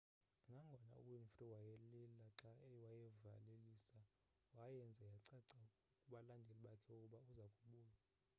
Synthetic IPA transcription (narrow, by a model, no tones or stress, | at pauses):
ŋɡʱaŋɡʱɔna̰ṵwinfriwajɛlilaǁaɛwajɛvaleliːsa | wajɛnd͡zʱɛjaǀɛǀa | kʼuɓalandʱeliɓakʰɛukʼuɓauzakʼuɓuːja